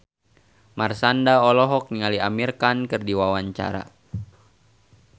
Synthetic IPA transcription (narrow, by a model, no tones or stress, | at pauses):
marsandaɔlɔɦɔk̚niŋaliamirkankɨrdiwawaɲt͡ʃa̰ɾa̰